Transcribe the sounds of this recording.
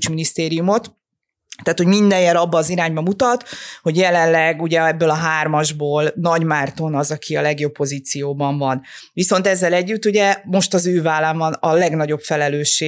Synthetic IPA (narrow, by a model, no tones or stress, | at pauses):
t͡ʃminist̪eːɾijumo̞t̪ | t̪ːaːt̪ho̞ɟmind̪ɛjɛlɒbːɒːziɾaːɲbɒmut̪ɒt̪ho̞ɟjɛlɛnlɛɡuɟɛɛbːøːlɒɦaːrmɒʒboːlnɒɟmaːrt̪onɒzɒkʰiɒlɛɡjo̞pːo̞ziːt̪sijoːbɒɱvɒn | viso̞n̪t̪ɛzːɛlɛɟːyt̪ːuɟɛmo̞ʃt̪ɒzyːvaːlaːɱvɒnɒlɛɡn̪ɒɟo̞pfɛlɛløːʃːeː